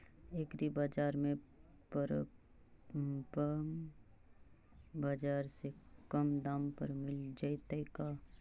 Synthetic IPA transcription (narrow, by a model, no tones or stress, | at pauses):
ekɾibaːd͡ʒaːɾmẽ | pəɾ | p | bad͡ʒaːɾsekəmd̪aːmpəɾmɪld͡ʒaɪt̪əɪka